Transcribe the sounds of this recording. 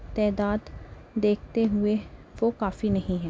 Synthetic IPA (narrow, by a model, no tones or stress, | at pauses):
t̪ɛːd̪aːd̪d̪eːk̚ʰt̪eːɦʊeːʋoːkaːfiːnəɦĩːɦɛː